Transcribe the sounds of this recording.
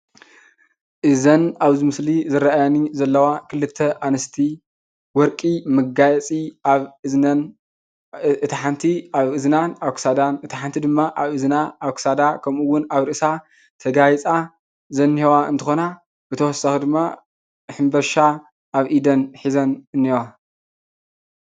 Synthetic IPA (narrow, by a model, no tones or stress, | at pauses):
ʔɨzɐnaβzimɨslizɨɾaʔajanizɐlːɐwakʰɨlɨt̪ʰːɐʔanɐst̪ʰi | wɔɾkʼimɨɡajɛt͡sʼiaβɨɐn | ɨt̪iħant̪ʰiaβɨznanaβksad̪anɨt̪ʰiħant̪ʰid̪ɨmːaʔaβɨznaaβksad̪akʰɐmuwːʊnaβɾɨʔsa | t̪ʰɐɡajt͡sʼa | zɐnːihewaɨ̰nt̪ʰɨxo̞na | b̥ɨt̪ʰɐwɔsaxid̪ɨmːa | ħɨmbɐɾʃa | ʔaβʔid̪ɐnħizɐnɨnːewa